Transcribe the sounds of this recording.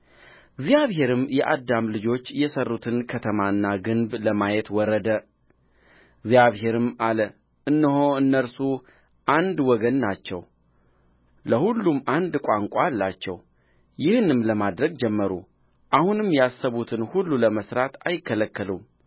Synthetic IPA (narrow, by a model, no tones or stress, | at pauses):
ɡzijaβhe̞ɾɨmjɛʔad̪ːamlɨd͡ʒo̞t͡ʃːjɛsərːut̪ʰɨnkʰət̪ʰəmaɨnːaɡɨnbləmajet̪wɔɾəd̪ə | ɡzjaβɦe̞ɾɨmalə | ʔɨnːɨɦoɨnːəɾsu | ʔand̪wɔɡənːat͡ʃːɛ̰w | ləhulːumand̪kʷʼaŋkʷʼalːat͡ʃːɛ̰w | jɪhɨnɨmləmad̪ɾəɡd͡ʒɛmːəɾṵ | ʔahunɨmjasːəβut̪ʰɨnhulːuləməsɾat̪ajɪkʰːələkːəlum